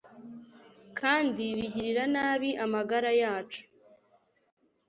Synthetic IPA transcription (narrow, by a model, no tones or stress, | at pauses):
kʰaːndiβiɟiɾiɾanaːβiʔamaɡaɾajaːt͡ʃu̥